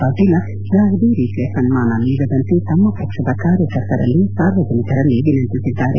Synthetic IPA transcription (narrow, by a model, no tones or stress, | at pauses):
aːd̪ila | d͡ʒaːɡd̪iːɾiːt̪lesɐnmaːnaːniʋɐd̪ɐnt̪it̪ɐmːopɾɐkʂɐd̪akaːɾjəkɐɾt̪ɐɾɐ̰lːisaːɾʋɐd͡ʒɐnik̪ɐɾɐlːiɡinɐnt̪isit̪aːɾḛ